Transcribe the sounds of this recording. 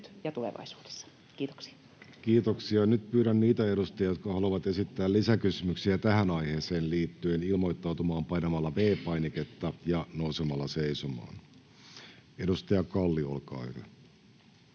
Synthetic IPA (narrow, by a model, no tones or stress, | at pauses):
t̪jɑt̪ulḛʋɑ̰isu̥ːd̥e̥sːɑ̥ | kiːt̪o̥ksi̥ɑ | kiːt̪oksiɑnyt̪̚pyːɾænniːt̪æe̞ɾust̪ɑjɑjot̪kɑhɑluʋɑt̪e̞sit̪ːæːlisækysymyksiæt̪æɦænɑjheːseːnliːt̪ːyenilmo̞jt̪ːɑwt̪umɑːmpɑjnɑmɑlːɑʋeːpɑjniket̪ːɑjɑnousemɑlːɑseisumɑ̰ːn | e̞dust̪ɑjɑkɑlːiolkɑ̰ːy̰ɾø̰